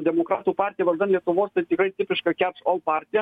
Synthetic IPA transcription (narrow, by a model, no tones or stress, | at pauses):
d̪ʲɛmokɾɑːt̪uːpɑrʲt̪ʲijɛʋɐʒʲd̪ɐnlʲiɛt̪ʊʋoːst̪ɐɪt̪ʲɪkɾɐɪjt̪ʲɪpʲɪʃkɑkʲærʃolˠpɑɾʲt̪ʲijɛ